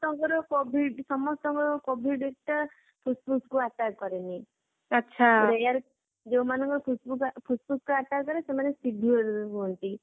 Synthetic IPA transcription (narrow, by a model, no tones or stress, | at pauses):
t̪ɔŋkɔɾɔkobʱiɖsɔmɔst̪ɔŋkɔɾɔkobʱiɖek̚ʈa | pʰusbuskuaʈakɔɾeni | ɔtːʃʰaɾejaɾ | d͡ʒeũmanɔ̃ŋkɔɾɔpʰusbukpʰusbuskuaʈakɔɾesemanesidʱueɾuɦɔnt̪i